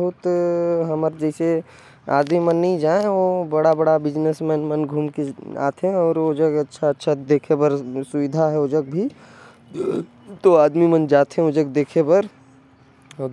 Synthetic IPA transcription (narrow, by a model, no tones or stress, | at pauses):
ɦʊt̪ɦɐməɾd͡ʒɛːse | a̰ːd̪mimənːĩd͡ʒaːẽʋobɐɽabɐɽabɪd͡ʒnəsmɛ̃ːnmɐnɡʱuːmkea̰ːt̪ʰɦẽɔːɾod͡ʒəɡɐtːʃʰaɐtːʃʰad̪eːkʰepəɾsʊʋɪd̪ʱaɦɛod͡ʒəɡ̚bʱi | t̪oaːd̪mimənd͡ʒaːt̪ɦẽod͡ʒəɡ̚d̪eːkʰepɐɾ